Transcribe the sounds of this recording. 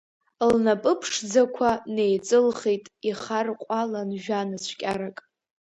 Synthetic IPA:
lnapʼɨpʰʂd͡zakʷʰane̞jt͡sʼɨlχejtʼiχarqʷʼalanʒᶣanɨt͡ɕʷʰkʲʼaɾakʼ

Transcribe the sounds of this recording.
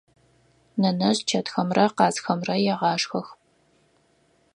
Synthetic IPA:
nɐnɐʑt͡ʃʰɐtxɐmrɐqɑːzxɐmrɐjɛʁɑːʂxɐx

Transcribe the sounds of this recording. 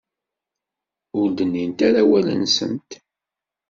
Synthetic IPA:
ʊɾd̪ənːint̪æɾæwælə̰nsə̰nt̪

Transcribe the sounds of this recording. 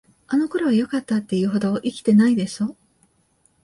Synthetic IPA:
ano̞ko̞ɾo̞βajo̞kat̪ːat̪ːe̞jɯ̟ːɦo̞d̪o̞ʔikʲi̥t̪e̞naid̪e̞ɕo

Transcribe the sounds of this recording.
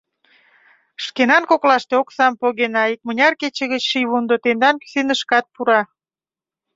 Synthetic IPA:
ʃkenɑnkoklɑʃt̪eoksɑmpoɣenɑik̚mə̆nʲɑrket͡ɕĕɣət͡ɕʃijβund̪ot̪end̪ɑnky̥senəʃkɑt̪̚puɾɑ

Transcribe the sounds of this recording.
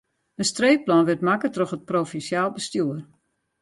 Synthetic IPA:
ənstreːplɔnʋɪtmakətrɔxət̚profɛnsjaːlˠbəstjuər

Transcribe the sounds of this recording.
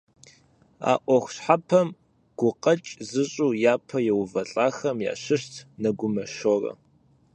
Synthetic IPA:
a̰ːʔʷɔxʷɕħapʰɐm | ɡ̥ʷʊqʼɐt͡ʃʼzɨɕʼujaːpʰɐjɛwvɐɬʼaːxɐmja̰ːɕɨɕtʰnɐɡʷʊmɐʃoːrɐ̰

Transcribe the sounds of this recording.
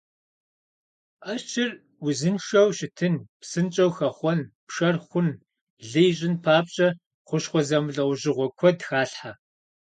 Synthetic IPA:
ʔɐt͡ʃʰɪr | wʊzɨnʂɐwʃɪtʰɨnpsɨnt͡ʃʼɐwxɐχʷɔnpʂɐrχʷʊn | ɮijɕʼɪnpʰaːp̚t͡ʃʼɐ | χʷʊʃχʷɔzɐmɮɐwʷʑɪʁʷɔkʷʰɔdxaːɬħa

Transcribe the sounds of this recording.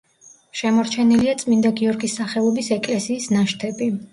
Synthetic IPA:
ʃɛmɔɾt͡ʃʰɛniliat̪sʼmind̪aɡiɔɾɡisːaχɛlˠɔbisɛkʼlɛsiːsnaʃt̪ʰɛbi

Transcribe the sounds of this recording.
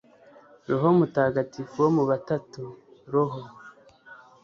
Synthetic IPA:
ɾoɦomutaːɡatifuwomuβatatuɾoɦo

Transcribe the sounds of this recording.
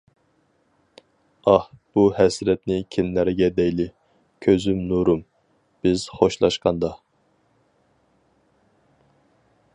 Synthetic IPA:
ɑhb̥uhɛsɾɛt̪nɪkʲʰɪnːæɾɡʲɛd̪ɛjlɪ | kʲʰøzymnuɾum | b̥ɪz̥χoʃlˠɑ̰ʃqɑnd̪ɑ

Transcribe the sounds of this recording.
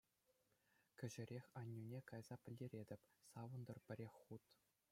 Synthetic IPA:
kʲɘ̆ʑɘ̆ɾʲexʲɑnʲːunʲekɑjz̥ɑpʲɘ̆lʲːeɾʲedʲɘ̆pʲsɑʋɤ̆nd̪ɤ̆rpʲɘ̆ɾʲexʲχut̪

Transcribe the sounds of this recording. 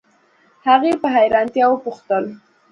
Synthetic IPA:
haɣepəɦajɾɑnt̪jɑwəpʊxt̪əl

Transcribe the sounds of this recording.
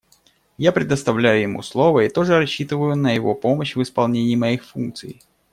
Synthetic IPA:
japɾʲɪd̪əst̪ɐvlʲæjʊjɪmṵslˠo̞vəit̪o̞ʐɨɾɐɕːit̪ɨvəjʊnəjɪvo̞po̞məɕvɨspɐlˠnʲenʲɪːmɐixfunk̚t̪sɨj

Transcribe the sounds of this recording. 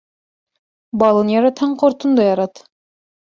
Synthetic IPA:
bɑlˠɤnjɑɾɑt̪hɑɴqŏɾt̪ŏnd̪ɑjɑɾɑt̪

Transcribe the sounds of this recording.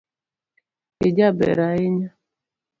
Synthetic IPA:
ed͡ʒabɛ̰ɾaeɲa

